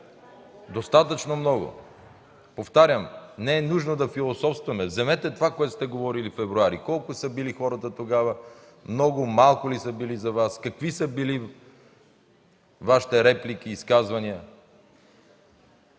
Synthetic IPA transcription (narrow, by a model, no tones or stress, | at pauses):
d̪ost̪at̪ət͡ʃnomnɔɡʊ̰ | poft̪aɾʲjəmnɛɛnuʒnod̪ɐfilˠosɔfst̪vɐmɛvzɛmɛt̪ɛt̪ovakoɛt̪ʊ̥st̪ɛɡovɔɾilifɛvɾuaɾikɔlˠkʊsəbilixɔɾət̪ət̪oɡavə | mnɔɡʊmalˠkʊlisəbilizɐvaskɐkvisəbili | vaʃi̥t̪ɛɾɛplik̟iːskazvɐniə